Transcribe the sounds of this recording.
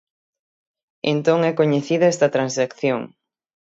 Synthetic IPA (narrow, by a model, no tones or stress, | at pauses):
ḛnt̪oŋɛkoɲeθiðɐɛst̪ɐt̪ɾãnsakθjoŋ